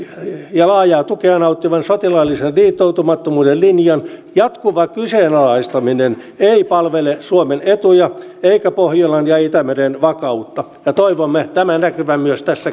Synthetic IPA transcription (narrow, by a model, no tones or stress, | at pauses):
jɑlɑːjɑːt̪ukeɑnɑut̪ːiʋɑnsot̪ilɑlːisenliːt̪ːout̪umɑt̪ːomuːdellinjɑnjɑt̪kuʋɑkyseːnɑlɑist̪ɑminen | eipɑlʋelesuomenet̪ujɑeikæpohjolɑnjɑit̪æmerenʋɑkɑut̪ːɑ | jɑt̪oiʋomːet̪æmænækyʋæmyøst̪æsːæ